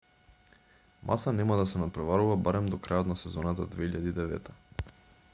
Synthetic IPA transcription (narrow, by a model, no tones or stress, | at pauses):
mʔa̰sanɛmad̪asɛnapɾɛvaɾuvabaɾɛmd̪ɔkɾajot̪nasɛzɔnat̪ad̪vɛiʎad̪iːd̪ɛvɛ̰t̪ʰa